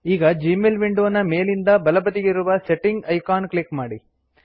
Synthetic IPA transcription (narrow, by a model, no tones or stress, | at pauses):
iːɡɐd͡ʒiːmelʋiɳɖuʋɐnːɐme̞ːlind̪ɐbɐlɐbɐt̪iɡeiɾuʋɐseʈːiŋɡɐjkaːnklikmaːɽi